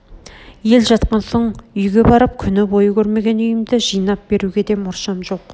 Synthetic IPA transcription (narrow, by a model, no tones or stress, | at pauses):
je̞lʒɑt̪qɑnsoɴʏjɡʲe̞bɑɾəp̚kʲʰʏnɪbo̞jəkʲʰɵɾme̞ɡʲe̞nʏjɪmd̪ɪʒijnɑp̚be̞ɾuɡʲe̞d̪e̞mʊɾʃɑmʒo̞q